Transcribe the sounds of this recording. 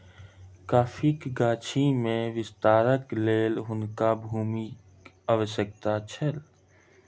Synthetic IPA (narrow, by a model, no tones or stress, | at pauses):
kaːfʰikɡaːt͡ʃʰimẽʋɪst̪aːɾəkleːlɦʊnkabʱuːmi | aʋəsjək̚t̪at͡ʃʰəl